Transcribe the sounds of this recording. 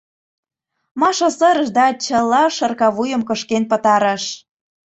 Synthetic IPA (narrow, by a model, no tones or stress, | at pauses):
mɑʃosɤ̆ɾə̆ʒd̪ɑt͡ɕə̆lːɑʃɤ̆rkɑβujə̆mkə̆ʃkenpə̆t̪ɑɾɤ̆ʃ